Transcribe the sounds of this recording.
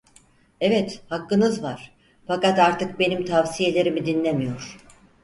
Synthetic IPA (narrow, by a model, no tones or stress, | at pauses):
evɛt̪hakːɯnɯzvaɾ̥ | fakat̪aɾt̪ʰɯk̚be̞nimt̪ʰavsije̞lʲe̞ɾimid̪inlʲe̞mijo̞ɾ̥